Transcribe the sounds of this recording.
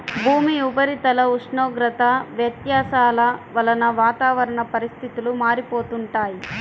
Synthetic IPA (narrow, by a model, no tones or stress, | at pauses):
bʱuːmiupɐɾit̪ɐlɐuʂɳoːɡɾɐt̪ɐʋjɐt̪jaːsaːlɐʋɐlɐnɐʋaːt̪aːʋɐɾɐɳɐpɐɾist̪ʰit̪ulumaːɾipoːt̪uɳʈaːji